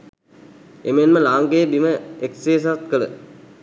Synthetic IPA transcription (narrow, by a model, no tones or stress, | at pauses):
emenməlaːŋɡeːbiməekseːs̬at̪̚kələ